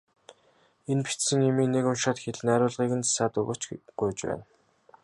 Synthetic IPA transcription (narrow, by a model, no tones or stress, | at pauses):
enpi̥t͡ɕsɘ̆ŋemiːnekʊnʃaːt̪xeɮnæːɾʊːɮʁiːkɘ̆nt͡sḁsaːt̪ɵɣo̰ːt͡ɕɢʊjt͡ɕpæ̰ːn